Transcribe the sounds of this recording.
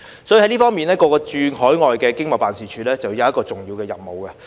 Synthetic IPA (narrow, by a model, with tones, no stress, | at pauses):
sɔː˨˥ji˨˧hjliː˥fɔː˥ŋmiː˨nɛː˥kɔː˧kɔː˧t͡ʃyː˧hɔː˨˥jŋɔː˨jkɛː˧kɪ˥ŋmɐ˨wpaː˨nsiː˨t͡ʃʰyː˨˥lɛː˥t͡sɐ˨wjɐ˨˧wɐ˥tkɔː˧t͡sʊ˨ŋjiː˧wkɛː˧jɐ˨p̚mo˨˩wkɐ˧